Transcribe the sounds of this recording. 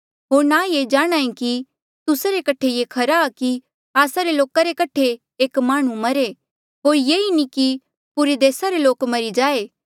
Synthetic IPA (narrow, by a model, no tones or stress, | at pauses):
ɦoːɾnajed͡ʒaːɽ̃ãːĩki | t̪ʊsaɾekɐʈʰejekʰɐɾaːki | aːsaɾeloːkaɾekɐʈʰe | eːkmãːɽ̃ũmɐɾe | ɦoːɾjeːiniki | pʊɾed̪eːsaɾeloːkmɐɾid͡ʒaːe